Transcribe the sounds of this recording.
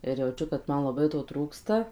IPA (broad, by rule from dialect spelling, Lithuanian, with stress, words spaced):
ɪr jɛʊˈt͡ʃʲʊ kɐt ˈmɐn lˠɐˈbɐɪ toː ˈtruːkstɐ